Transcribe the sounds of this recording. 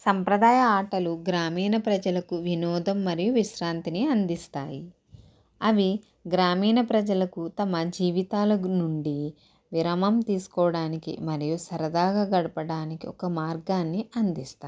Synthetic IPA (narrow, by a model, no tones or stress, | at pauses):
sɐmpɾɐd̪aːjɐaːʈɐluɡɾaːmiːnɐpɾɐd͡ʒɐlɐkuʋinɔːd̪ʱɐmːɐɾijuʋiʃɾaːnt̪iniɐnd̪ist̪a̰ːji | ɐʋi | ɡɾaːmiːnɐpɾɐd͡ʒɐlɐkut̪ɐmɐd͡ʒiːʋit̪aːlɐnuɳɖi | ʋiɾɐmɐmt̪iːsu̥kɔːɐɽaːnikḭmɐɾijusɐɾɐd̪aːɡɐɡɐɽɐpɐɽaːnikiɔkɐmaːɾɡaːnːiɐnd̪ist̪aː